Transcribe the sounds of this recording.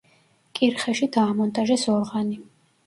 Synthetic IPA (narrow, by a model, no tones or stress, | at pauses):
kʼiɾχɛʃid̪aːmɔnt̪ʼaʒɛsɔlʁani